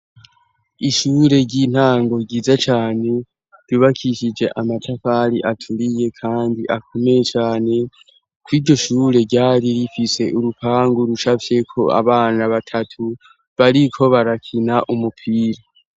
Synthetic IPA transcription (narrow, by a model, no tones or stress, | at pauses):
iʃuːɾe̞ɾɟin̥haːŋɡo̞ɡiːzat͡ʃaːne̞ | d̥uβakʰiʃid͡ʒe̞ʔamatʰafaɾiʔatʰuɾije̞kʰaːndiʔakʰo̞me̞jet͡ʃaːne̞ | kwiːɟo̞ʃuːɾe̞ɾɟaːɾiɾifise̞ʔuɾupʰaːŋɡuɾut͡ʃafje̞kʰo̞a̰βaːnaβatʰatʰu | βaɾikʰo̞βaɾakʰinaʔumupʰiːɾa